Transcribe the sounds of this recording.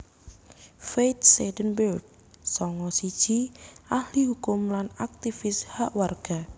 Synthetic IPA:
fejt̪̚sedənbɛrɡ̚ | sɔŋɔsid̥d͡ʒʒ̥iʔahliɦukʊmlanak̚t̪ifɪshaʔwarɡ̥a

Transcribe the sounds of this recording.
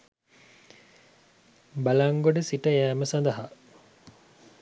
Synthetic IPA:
bɐlɐŋɡoɖəsiʈəjæːməsɐnd̪ɐɦa

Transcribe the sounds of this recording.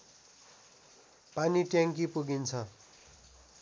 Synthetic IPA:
paniʈjaŋkipuɡint͡sʰʌ

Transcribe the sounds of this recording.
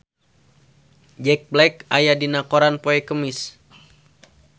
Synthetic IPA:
d͡ʒɛk̚blɛkajadinakoɾanpoɛkəmis

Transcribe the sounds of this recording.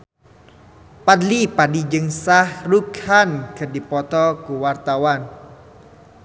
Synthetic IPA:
padlipadid͡ʒəŋsahrukhanɡədipɔt̪ɔkuwart̪awan

